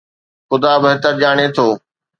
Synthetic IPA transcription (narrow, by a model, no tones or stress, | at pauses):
xʊd̪aːbɦɪt̪əɾʄaːɽ̃et̪ʰoː